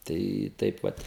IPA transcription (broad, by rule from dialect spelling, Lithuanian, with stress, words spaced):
ˈtɐɪ ˈtɐɪp ʋɐt